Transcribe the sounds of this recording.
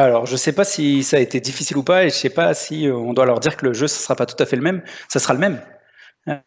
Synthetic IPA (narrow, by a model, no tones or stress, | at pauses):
alɔʁʒəsɛpasisaːet̪ed̪ifisilupaeʒəsɛpasiøɔ̃d̪walœʁd̪iʁkələʒøsḁsəʁapat̪u̥t̪afɛləmɛmsasəʁaləmɛm